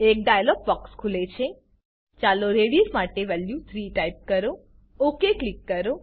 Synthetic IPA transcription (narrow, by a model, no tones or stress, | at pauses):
ek̚ɖajəlɔɡ̚bɔkskʰulet͡ʃʰe | t͡ʃaloɾeɽismaʈeʋɛljut̪ʰɾiʈaip̚kəɾo | okeklikːəɾo